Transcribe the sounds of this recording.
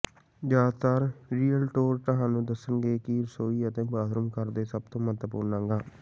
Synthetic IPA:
d͡ʒaːd̪t̪aːɾɾiːəlʈoːɾt̪əɦãːnũːd̪əsːənɡeːkɪɾsoːiːət̪ẽːbaːd̪ʱɾumkəɾd̪eːsəb̚t̪õːmət̪pṵːɾnãːŋɡaː

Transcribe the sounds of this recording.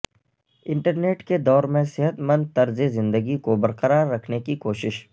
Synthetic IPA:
ɪ̃ɳʈəɾneːʈked̪ɔːɾmẽsɪɦət̪mə̃nd̪̚t̪ɐɾzezɪ̃nd̪əɡikobɐɾqəɾaːɾːɐkʰnekikoːʃɪʃ

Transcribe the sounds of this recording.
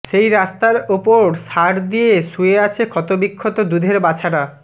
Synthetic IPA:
ʃejɾast̪aɾupoɾʃaɾd̪ijeʃueat͡ɕʰekʰɔt̪obikʰːot̪od̪ud̪ʱeɾbat͡ɕʰaɾa

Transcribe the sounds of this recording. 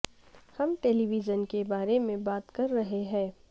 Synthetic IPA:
hɐmʈeːliʋizənkebaːɾemẽbaːt̪kɐɾːɐɦeɦɛ̃ː

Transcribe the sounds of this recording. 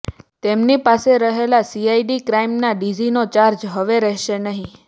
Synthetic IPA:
t̪emnipaseɾəɦelasiaiɖikɾaimnaɖid͡ʒinot͡ʃaɾd͡ʒɦəʋeɾɛɦʃenəɦĩ

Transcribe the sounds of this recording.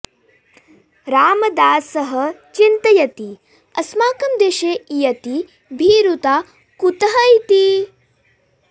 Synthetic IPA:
ɾaːmɐd̪aːsɐɦɐt͡ʃint̪ɐjɐt̪i | ɐsmaːkɐmd̪eʃeːjɐt̪i | bʱiːɾut̪aː | kut̪ɐɦɐjt̪i

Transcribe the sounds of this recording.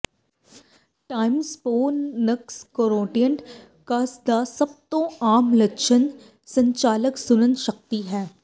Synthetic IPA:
ʈaːɪmzpoːəkskoːɾoːʈijə̃ɳʈ | kasd̪asɐb̚t̪õaːmlɐʃʰən | sɐ̃ɲt͡ʃaːləksʊnənʃɐk̚t̪iɦɛː

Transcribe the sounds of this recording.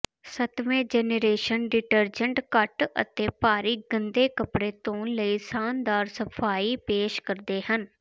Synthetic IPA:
sət̪ʋẽːd͡ʒɛːneɾeːʃənɖɪʈəɾd͡ʒəɳʈkəʈə̰t̪eːpaːɾiːɡənd̪eːkəpɽeːt̪õːnləiːsaːnd̪aːɾsəpʰaːiːpeːʃkəɾd̪eːhən

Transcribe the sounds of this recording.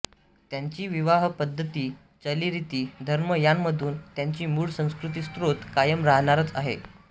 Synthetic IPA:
t̪jaɲt͡ɕiːʋiʋaɦpəd̪ʱːət̪iː | t͡ɕəliːɾit̪iːd̪ʱəɾməjanːəd̪ʱuːnt̪jaɲt͡ɕiːmuːɭsə̃w̃skɾut̪̬iːst̪ɾot̪kajəmɾaɦɳaɾət͡sa̰ɦḛ

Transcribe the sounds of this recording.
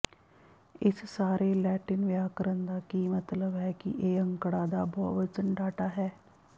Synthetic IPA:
ɪssaːɾeːlɛːʈɪnʋɪaːkəɾənd̪aːkiːmət̪ləbɦɛːkɪ̰ʔeːə̃ŋkɽaːd̪aːbɔːʋət͡ʃənɖaːʈaːɦɛː

